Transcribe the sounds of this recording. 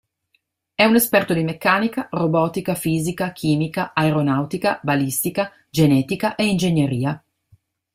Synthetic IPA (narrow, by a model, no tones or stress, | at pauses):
ɛunespɛrt̪od̪imekːaːnikarobɔːt̪ikafiːzikak̟ʰiːmikaaeɾonawt̪ikabalist̪ika | d͡ʒenɛːt̪ikaʔeind͡ʒeɲjeɾiːa